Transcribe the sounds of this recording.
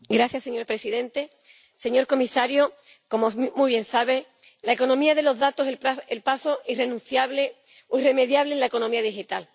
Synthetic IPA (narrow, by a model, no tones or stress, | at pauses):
ɡɾaθjasːe̞ɲo̞ɾpɾe̞siðẽ̞nt̪e̞ | se̞ɲo̞ɾko̞misaɾjo | ko̞momuβ̞jẽ̞nsaβ̞e̞ | laeko̞nõmiaðe̞lo̞zðat̪oselpaso̞ire̞nũnθjaβle | oireme̞ðjaβle̞nlaeko̞nomiaðixit̪al